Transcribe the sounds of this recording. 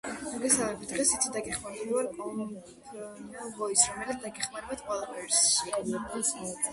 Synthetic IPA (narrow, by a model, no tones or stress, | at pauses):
mɔɡɛsalˠmɛbit̪̚ʰd̪ʁɛsit̪sʰid̪aɡɛχmaɾd̪ɛliwaɾkɔ | vɔisɾɔmɛlad̪̚d̪aɡɛχmaɾɛbat̪qʼwɛlˠapʰɛɾsʃia